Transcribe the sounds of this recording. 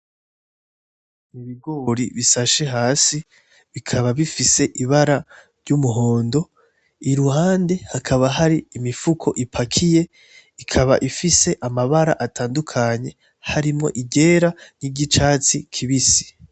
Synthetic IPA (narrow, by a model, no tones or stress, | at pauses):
niβiɡoːɾḭβisaʃe̞ɦaːsi | βikʰaβaβifise̞ʔiβaɾa | ɾɟumuɦo̞ːndo̞ | iɾuhaːnde̞hakʰaβaɦaɾiːmifukʰo̞ʔipʰakʰije̞ | ikʰaβa̰ʔifise̞ʔamaβaɾa̰ʔatʰaːndukʰaɲe̞ | haɾimŋo̞̰ʔiɟe̞ːɾaniɟit͡ʃaːt͡sikʰiβisi̥